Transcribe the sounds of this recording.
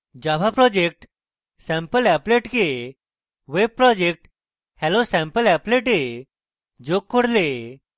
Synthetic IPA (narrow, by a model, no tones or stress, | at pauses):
d͡ʑabapɾɔd͡ʑek̚ʈ | sɛ̃mpəlɛpleʈke | ʋeb̚pɾɔd͡ʑek̚ʈ | hɛlosɛ̃mpəlɛpleʈe | d͡ʑokːoɽle